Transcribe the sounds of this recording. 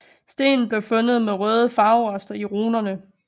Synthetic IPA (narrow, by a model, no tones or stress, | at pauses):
sd̥e̝̰ːnn̩b̥le̝ʊfɔ̽nəð̞̩ˠmeʁœːð̞ˠəfɑ̈ʊɒsd̥ɐiʁoːnɐnə